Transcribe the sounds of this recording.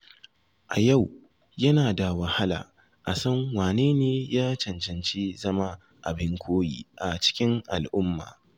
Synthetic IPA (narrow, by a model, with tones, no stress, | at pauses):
ʔa̰˨ja˦˨w | jɐ˦naː˨da˨wɐ˨ha˦la̰ː˨ | ʔa˨sɐ˦ŋwaː˨neː˦neː˦jaː˦t͡ʃɐ˨nt͡ʃɐ˨nt͡ʃeː˦zɐ˦ma˦ | ʔa̰˨bɪ˦ŋkʷʰoː˦jḭː˦˨ʔa˨t͡ʃɪ̥˦kʲɪ˦ŋʔa̰˨lʔʊ˦mːa̰ː˨